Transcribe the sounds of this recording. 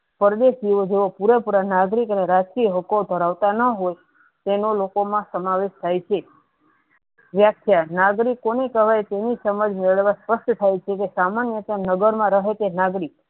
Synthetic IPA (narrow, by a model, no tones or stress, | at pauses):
pəɾd̪eʃd͡ʒiʋod͡ʒeʋopuɾepuɾanaɡɾikəneɾad͡ʒkiəɦəkod̪ʱəɾaʋt̪anəɦoj | t̪enolokomãsəmaʋeʃt̪ʰajt͡ʃʰe | ʋjakʰjanaɡɾikːonekəʋajt̪enisəməd͡ʒmeɭəɭʋãspəʃʈt̪ʰajt͡ʃʰekesamanjət̪ənəɡəɾmãɾəɦet̪enaɡɾik